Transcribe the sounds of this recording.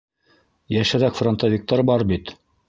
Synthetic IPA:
jæʃæɾækfront̪avʲik̚t̪ɑɾbɑɾbit̪

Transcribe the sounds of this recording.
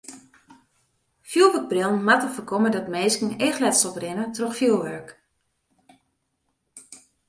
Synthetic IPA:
fjulˠʋək̚brɪlˠnmatəfəkʰomədɔtmeːskn̩eːxlɛtsɔprɪnətrɔxfjulˠʋœɹk

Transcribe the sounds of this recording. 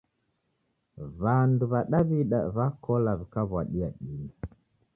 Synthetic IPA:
βanduβaɗaβiɗa̰βakɔlaβikaβwaɗiaɗini

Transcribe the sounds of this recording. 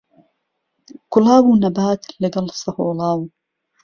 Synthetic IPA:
kʊlaːbuːnɐbaːt̪lɐɡɐlsɐhoːlɑːw

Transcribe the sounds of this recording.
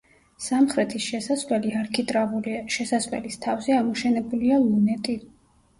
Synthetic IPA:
samχɾɛt̪ʰisʃɛsaslɛliaɾkʰit̪ʼɾavulʃɛsasvɛ̰list̪ʰavzɛamɔʃɛnɛbulialˠunɛt̪ʼi

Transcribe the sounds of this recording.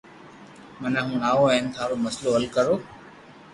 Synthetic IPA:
mənãːɦũːnaːoːɦɪnt̪ʰaːɾoːməsloːɦəlkəɾoː

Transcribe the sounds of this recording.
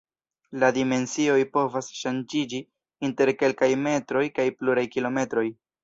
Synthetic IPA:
ladime̞nsio̞jpo̞vasʃand͡ʒid͡ʒi | inte̞ɾke̞lkajme̞tɾo̞jkajpluɾajkilo̞me̞tɾo̞j

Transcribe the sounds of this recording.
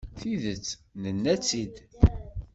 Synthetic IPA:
θiðət͡sːnənːæt͡sːid̪

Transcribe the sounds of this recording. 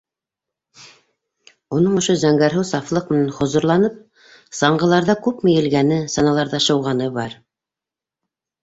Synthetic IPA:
unɤɴŏʃozæŋɡæɾɦɘwsɑflˠɤq̚mɘ̆nænχŏzŏɾlˠɑnɤp̚ | sɑɴɢɤ̆lˠɑɾðɑkʉpmɘ̆jɘ̆lɡænɘsɑnɑlˠɑɾðɑʃɤ̆wʁɑnɤbɑɾ

